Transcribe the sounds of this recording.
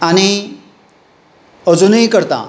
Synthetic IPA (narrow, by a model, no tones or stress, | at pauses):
añi | əd͡zunəikəɾt̪a̰